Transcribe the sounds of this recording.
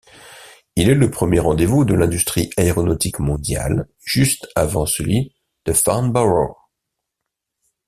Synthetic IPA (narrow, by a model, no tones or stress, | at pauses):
ilɛləpχəmjeʁɑ̃d̪evud̪əlɛ̃d̪yst̪χiʔaeʁɔnɔt̪ikmɔ̃d̪ja̰l | ʒ̥yst̪avɑ̰̃səlɥi | d̪̥əfa̰ʁnbaʁo̰